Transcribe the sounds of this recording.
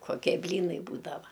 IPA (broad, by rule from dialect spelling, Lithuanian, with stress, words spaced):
koːˈkʲiɛ ˈbʲlʲiːnɐɪ ˈbuːdɐʋɐ